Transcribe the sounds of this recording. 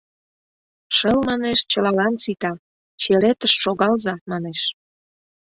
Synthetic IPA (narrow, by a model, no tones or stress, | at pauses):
ʃəlmɑneʃt͡ɕəlɑlɑnt͡sit̪ɑ | t͡ɕeɾet̪əʃːoɣɑlzɑmɑneʃ